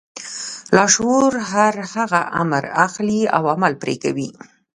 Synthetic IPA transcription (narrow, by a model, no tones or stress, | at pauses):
lɑʃoɾɦaɾhaɣaʔamɾaxlia̰wamalpɾḛkawi